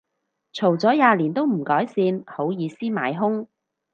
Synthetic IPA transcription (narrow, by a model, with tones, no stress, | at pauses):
t͡sʰo˨˩wt͡sɔː˨˥jaː˨˧liː˨˩nt̪o˥wm̩˨˩kɔː˨˥jsiː˧nho˨˥wjiː˨˧siː˥ma̰ː˨˧jɦʊ˥ŋ